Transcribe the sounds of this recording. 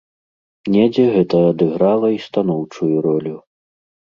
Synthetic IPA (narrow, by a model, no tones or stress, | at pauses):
nʲɛd͡zʲɛɣɛt̪ɐːd̪ɨɣɾalˠɐist̪an̪ɔwt͡ʂujuɾɔlʲu